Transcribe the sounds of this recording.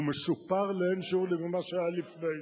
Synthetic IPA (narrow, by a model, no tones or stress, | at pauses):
mesupaʁlɛenʃuʁlɛmimaʃaajalifnej